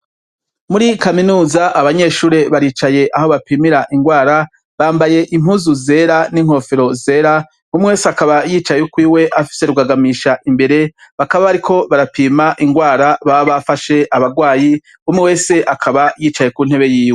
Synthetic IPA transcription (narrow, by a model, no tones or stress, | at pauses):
muɾikaminuːzaʔaβaɲe̞ːʃuːɾe̞βaɾiːt͡ʃaje̞ʔaho̞βapiːmiɾaʔiŋɡwaːɾa | βaːmbaje̞ʔimuzuze̞ɾaniŋ̥ho̞feɾo̞ze̞ːɾa | umŋewe̞ːseakaβajiːt͡ʃajukwiːwe̞ʔafi̥se̞ɾuɡaɡamiʃaʔimbe̞ɾe̞βakaβaβaɾikʰo̞βaɾapiːmaʔiŋɡwaːɾaβaβafaʃe̞ʔaβaɡwaːji | umŋewe̞ːse̞ʔakʰaβajiːt͡ʃaje̞kun̥he̞βe̞jiːwe